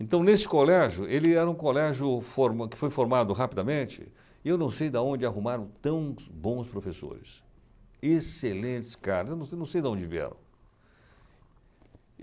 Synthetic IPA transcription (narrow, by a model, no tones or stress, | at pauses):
ẽnt̪ɐ̃w̃nesɪ̥kolɛʒjʊʔelɪɛɾɐũkolɛʒʊfoɾmakɪ̥fojfoɾmad̪ʊɦapid̪ɐmẽt͡ʃɪ̰ | ewnɐ̃w̃sejd̪ɐõnd͡ʒɪaɦumaɾɐ̃w̃t̪ɐ̃w̃bõw̃spɾofeso̰ɾɪs | eselẽt͡ʃɪ̥skaɾɐzewnɐ̃wnɐ̃w̃sejd̪ɐõnd͡ʒɪviɛ̰ɾɐ̰̃w̃